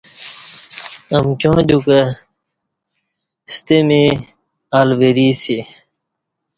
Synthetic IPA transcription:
ɐmkjõːd̪ukə | st̪emi | aːlweɾisi

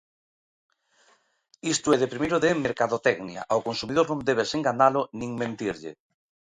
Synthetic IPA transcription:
ist̪oeðepɾimejɾoðemeɾkaðot̪ɛɡnia̰ʔaokonsumiðoɾnõnd̪eβ̞eseŋɡanalonĩŋmẽnt̪iɾʎḛ

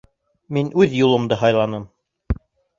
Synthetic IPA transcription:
minʔʉðjulˠɤ̆md̪ɤɦɑjlˠɑnɤm

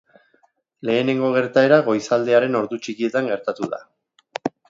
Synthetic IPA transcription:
le̞ːne̞ŋɡo̞ɣ̞e̞ɾt̪ae̞ɾaɣo̞jsald̪e̞aɾe̞no̞ɾðut͡ʃikie̞t̪aŋɡe̞ɾt̪at̪uða̰

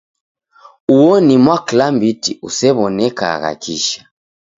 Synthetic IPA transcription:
uwɔnimwaklambitiʔusɛβɔnɛka̰ɣa̰kʰiʃḁ

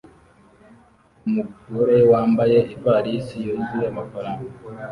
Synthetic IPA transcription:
umuɡoɾe̞waːmbaje̞ivaɾisijoːzijamafaɾaːnsa

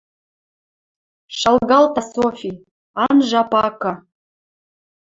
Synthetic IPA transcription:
ʃɑlɣɑlt̪asofʲi | ɑnʒɑpɑkɤ̆

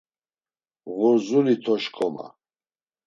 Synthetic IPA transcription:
ɣuɾzulit̪ʰɔʃkʰʼɔma̰

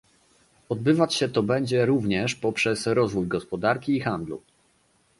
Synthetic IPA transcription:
ɔd̪̚bɘvat͡ɕɕɛt̪ɔbɛɲd͡ʑɛɾuvɲɛʂpɔpʂɛsɾɔzvujɡɔspɔd̪aɾkʲiːxand̪lṵ

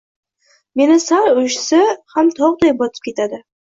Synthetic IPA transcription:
me̞nɪsaɾʊʃsɪhamt̪ʰɒʁd̪ajbɒt̪ʰɪ̥p̚kʲe̞t̪ʰad̪ɪ

